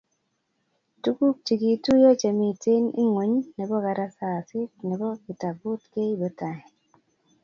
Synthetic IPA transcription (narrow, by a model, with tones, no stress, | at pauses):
tu˦ku˦k̚t͡ʃi˨ɡi˨tu˦jo˦t͡ʃe˨mi˨te˦nḭ˦ŋwo˨ɲnɛ˨bɔ˦ka˨ɾa˦sa˨sɪ˦t̚nɛ˨bɔ˦ɡɪ˨ta˨bʊ˦tke˦i˦bɔ˦ta˨ɛ˨